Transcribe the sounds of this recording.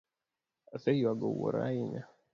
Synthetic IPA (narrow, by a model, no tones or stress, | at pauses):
asejiwaɡo̰wɔ̰ɾa̰iɲa